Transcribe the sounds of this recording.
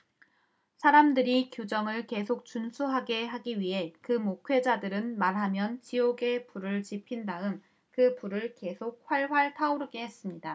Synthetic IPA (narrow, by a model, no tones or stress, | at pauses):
sʰaɾamdɯɾikjod͡ʑʌŋɯɭke̞sʰok̚t͡ɕ͈unsʰuɦaɡe̞ɦaɡiɥiɦe̞kɯmokʰwe̞d͡ʑadɯɾɯnmaɾɦamjʌnt͡ɕioɡe̞puɾɯɭt͡ɕipʰindaɯm | kɯpuɾɯɭke̞sʰok̚ɸwaɭɸwaɭtʰaoɾɯɡe̞ɦe̞s͈ɯmɲida